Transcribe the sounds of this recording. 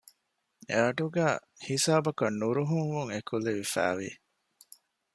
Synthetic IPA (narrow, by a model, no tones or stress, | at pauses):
eɐʈuɡæː | hisaːbɐkɐnːuɾuɦuŋʋuŋekuleʋifæ̰ːʋḭ